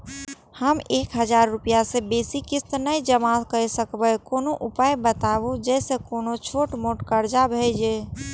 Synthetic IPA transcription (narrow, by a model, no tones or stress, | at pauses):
həmekɦəd͡ʒaɾːupijasebesikist̪nəjd͡ʒəmakəjsəkbəkonoʔupajbət̪abud͡ʒɛsekonot͡ʃʰoʈmoʈkəɾd͡ʒabʱɛɪd͡ʒe